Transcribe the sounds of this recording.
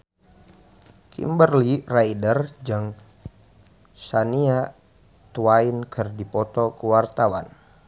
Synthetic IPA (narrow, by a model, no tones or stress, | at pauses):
kʰḭmbərliraidərd͡ʒɨŋ | sania | t̪uainkʰɨrdipɔt̪ɔkəwart̪awan